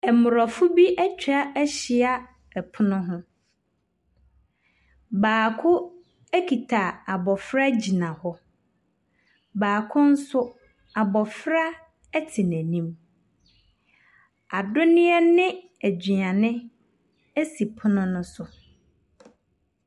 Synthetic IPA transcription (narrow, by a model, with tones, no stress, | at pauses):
ɛ˨mʊ˨ɾɔ˨fʊ˦bi˦ʔɛ˦t͡ɕᶣʰa˦ɛ˦ɕɪ˨a˦ | ɛ˨pʰʊ˦nʊ̃˦ɦʊ̃˦ | baː˨kʰʊ˦ | æ˦kʰi˨tʰa˨a˨bɔ˨fɾa˦d͡ʑi˨nã˨hɔ˦ | baː˨kʰʊ̃˦n̩˦sʊ˦ | a˨bɔ˨fɾa˦ | ɛ˦tʰi˨næ̃˨nĩ˦m | a˨dʊ˦nɪ̃˦ɛ˦nɪ̃˦ | æ˨d͡ʑi˨ã˨nɪ̃˦ | æ˦si˨pʰʊ˦nʊ̃˦nʊ̃˦sʊ˨